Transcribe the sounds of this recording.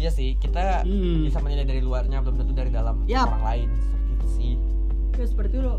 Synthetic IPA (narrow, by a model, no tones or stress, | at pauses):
jasɪhkit̪a | bisaməɲəladaɾiluarɲablamnat̪udaɾidalam | aaɾalaɪnssətisɪ | jasəpərt̪ilo